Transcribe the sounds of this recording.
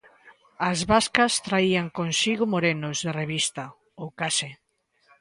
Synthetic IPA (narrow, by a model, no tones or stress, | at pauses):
azβaskast̪ɾaiaŋkonsiɣomoɾenozðereβ̞ist̪a | owkase